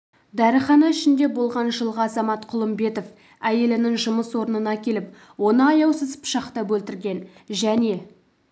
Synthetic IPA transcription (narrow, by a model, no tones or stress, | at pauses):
d̪æɾəχɑnɑɪʃɪnd̪e̞bo̞lˠʁɑnʒəlˠʁɑɑzɑmɑt̪qʰʊlˠəmbe̞t̪of | æje̞lɪnɪŋʒʊməswo̞ɾnənɑkʲʰe̞lɪp | wo̞nəɑjɑwsəzpʃɑqt̪ɑbɵlt̪ɪɾɡʲe̞nʒæne̞